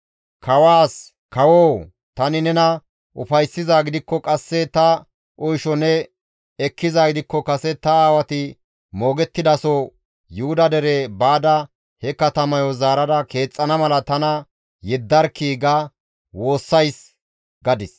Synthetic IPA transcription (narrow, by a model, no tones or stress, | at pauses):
kʰɐwaːs | kɐwoː | t̪ɐnɪnɛnɐ | ʔʊ̰fɐjsːɪzaːɡɪd̪ɪkːɔkʼɐsːɛt̪ɐ | ʔɔjʃɔnɛ | ɛkːɪzaːɡɪd̪ɪkːɔkɐsɛt̪ɐaːwɐt̪ɪ | mo̞ːɡɛt̪ːɪd̪ɐso | jʊhʊd̪ɐd̪ɛɾɛbaːd̪ɐ | hɛkɐt̪ɐmɐjɔzaːɾɐdɐke̞ːt͡sʼːɐnɐmɐlɐt̪ɐnɐ | jɛd̪ːɐɾkiːɡɐ | wo̞ːsːɐjs | ɡɐd̪ɪs